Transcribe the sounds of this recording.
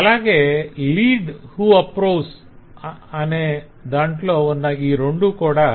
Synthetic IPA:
ɐlaɡeliːɖhuɐpɾoːs | ɐne | d̪ãɳʈloɔnːaiːɾoɳɖukoɽa

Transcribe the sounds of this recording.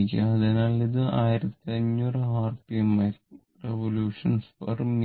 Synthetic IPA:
kʲːɐɐðenaːliðɨaːjiɾɐt̪ːiɐɲːuːrɨɦaːrpiɐmɐ | reʋoljuːʂɐnsfɐ̰rm

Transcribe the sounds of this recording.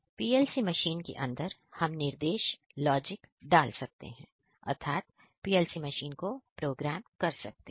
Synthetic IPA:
piːɛːlsimɐʃiːnkḛʔɐ̃nd̪əɾhɐmnɪɾd̪eːʃ | lɔːd͡ʒɪkɖaːlsɐk̚t̪ḛɦɛ̃ː | ɐ̰ɾt̪ʰaːt̪̚ | piːɛlsimɐʃiːnkopɾoːɡɾæːmkɐɾsɐ̰k̚t̪e

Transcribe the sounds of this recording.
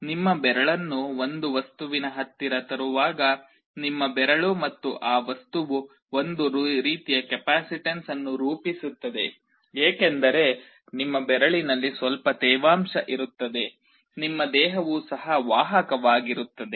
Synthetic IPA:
nimːɐbɛɾɐɭɐnːuo̞nd̪uʋɐst̪uʋinɐɦɐt̪ːiɾɐt̪ɐɾuʋaːɡɐ | nimːɐbɛɾɐɭumɐt̪ːuʔaːʋɐst̪uʋu | ond̪uɾɾiːt̪ijɐkɛpaːsiʈensɐnːuɾuːpisut̪ːɐd̪e̞ | eːkend̪ɐɾe̞ | nimːɐbɛɾɐɭinɐlːisʋɐlpɐt̪ɛːʋaːmʃɐʔiɾut̪ːɐd̪e̞ | nimːɐd̪ɛːɦɐʋusɐɦɐʋaːɦɐkɐʋaːɡiɾut̪ːɐd̪e̞

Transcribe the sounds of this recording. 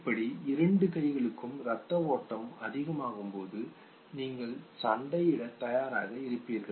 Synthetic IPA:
ɪpːɐɽiɪɾɐɳɖɯkɐɪɣɐɭɯkːɯmɾɐt̪ːɐʋoːʈːɐmɐðɪɣɐmaːɣɯmpoːðɯ | niːŋɡɐɭsɐɳɖɐjɪɽɐt̪ɐjaːɾa̰ːɣɐɪɾɯpːiːɾɣɐɭ

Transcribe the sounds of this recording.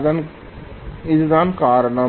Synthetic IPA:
n | ɪd͡ʒd̪aːnkaːɾnaː

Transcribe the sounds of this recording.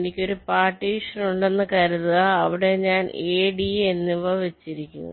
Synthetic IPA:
nikʲːo̞ɾupaːʈːiːʂɐnuɳɖe̞nːɐkɐɾɐðɨaːʋiɽe̞ɲaːneːɽienːiʋɐʋet͡ɕːiɾikʲːṵnːɐ̰

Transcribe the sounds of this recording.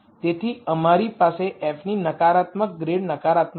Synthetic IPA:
t̪et̪ʰiəmaɾipaseɛfninəkaɾat̪mək̚ɡɾeɽnəkaɾat̪m

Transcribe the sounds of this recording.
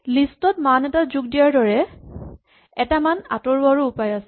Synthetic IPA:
listɔtmanɛtazuɡ̚dijaɹdɔɹɛ | ɛtamana̰tɔɹuaɹuʊpajasɛ

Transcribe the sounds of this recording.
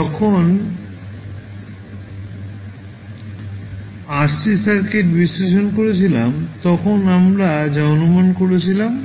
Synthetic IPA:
d͡ʑɔkʰon | aɾsisaɾkeʈbisleʃonkoɾet͡ɕʰilamt̪ɔkʰonamɾad͡ʑaonumankoɾet͡ɕʰilam

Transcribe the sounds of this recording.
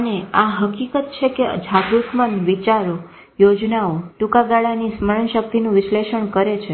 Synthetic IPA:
əneaɦəkikət̪̚t͡ʃʰekeəd͡ʒʱaɡɾut̪mənʋit͡ʃaɾo | jod͡ʒnaoʈukaɡaɭanisməɭənʃək̚t̪inũʋɪʃleʃəɳkəɾet͡ʃʰe

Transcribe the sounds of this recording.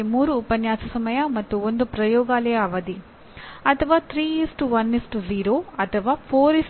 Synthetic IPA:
muːɾuːpɐnjaːsɐsɐmɐjamɐt̪ːuond̪upɾɐjɔːɡaːleːɐʋɐd̪i | ɐt̪ʰɐʋaːt̪ʰɾiːisʈuʋɐnisʈuziːɾoːɐt̪ʰɐʋaːpʰoːɾis

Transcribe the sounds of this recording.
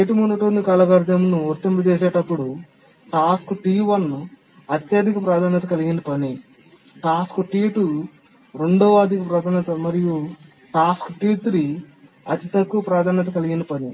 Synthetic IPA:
eːʈumuːnːɐʈonːikɐːlɐɡɐɾd̪ʱɐmnuot̪ːempɐt͡ʃɛːsɛːʈɐpːuɽu | saːskuʈiːʋɐn | ɐt̪jɐd̪ʱikɐpɾaːd̪ʱaːnjɐt̪ɐkɐliɡinɐpɐni | ʈaːskuʈiːʈu | ɾe̞ɳɖoːaːd̪ikɐpɾaːd̪ʱaːnɐt̪ɐmɐɾiju | ʈaːskuʈiːt̪ɾi | ɐt̪it̪ɐkːuʋɐpɾaːd̪ʱaːnjɐt̪ɐkɐliɡinɐpɐnḭ

